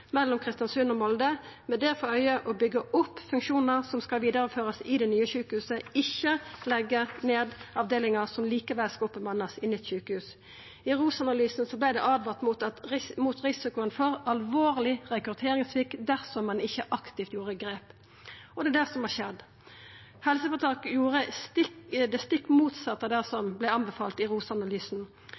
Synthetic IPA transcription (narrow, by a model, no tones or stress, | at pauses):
mɛlːɔmkʰʁɪst̪jɑnsʉnɔmɔld̪ə | mɛd̪ɛʁfɔœʏəʔɔbʏɡəʔʊpːfʉŋkʃuːnəʁsɔmskɑʋiːd̪əɾəføːʁəsɪd̪ɛnyːəçʉːkəhʉːsəɪçːəlɛɡːəneːd̪ɑʋd̪eːlɪŋɑsɔmliːkəʋɛlskɑɔpːəmʋɑnɑsɪnɪt̪çʉːkəhʉːs | ɪʁuːsɑnɑlyːsnsɔblæɪd̪ɛ̰ʔɑːd̪ʋɑʁt̪mut̪ɑt̪muːt̪ʁɪsɪkʊənfɔʁɑlʋoːʁlɪʁɛkɾʉt̪ʰeːʁɪŋsʋɪkd̪æʁsɔmːɑnɪçːəʔɑkt̪ɪft̪juːʁəɡɾeːp | ɔd̪ɛd̪æʁsɔmʋɑːʃɛd̪ | hɛlsəfɔt̪ʰɑːkjuːʁəst̪ɪd̪ɛst̪ɪkːmuːt̪sɑt̪ːəd̪æʁsɔmblæɑnbɛfɑːlt̪ɪʁuːsɑnɑlyːsn̩